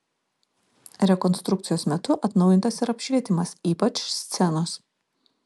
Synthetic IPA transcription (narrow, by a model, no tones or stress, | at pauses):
ɾʲɛkɔnst̪ɾʊk̚t̪sʲɪjoːsmʲɛt̪ʊʔɐt̪nɒʊjɪnt̪ɐsɪɾɐpʲʃʲʋʲiɛt̪ʲɪmɐsiːpɐt͡ʃsʲt̪sʲɛnʊs